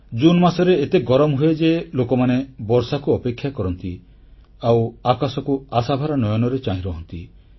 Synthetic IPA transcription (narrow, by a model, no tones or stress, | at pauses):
d͡ʒunmasɔɾeet̪eɡɔɾɔmɦued͡ʒelokɔmanebɔɾsakuɔpekʰːjakɔɾɔnt̪i | awakasɔkuasabʱaɾanɔjɔnɔɾet͡ʃaɦĩɾɔɦɔnt̪ḭ